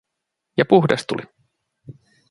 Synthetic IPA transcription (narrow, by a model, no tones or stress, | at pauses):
jɑpuɦdest̪ṵli